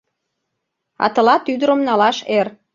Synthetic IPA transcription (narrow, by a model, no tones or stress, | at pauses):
ɑ̰t̪ɤ̆lɑt̪yd̪əɾəmnɑlɑʃer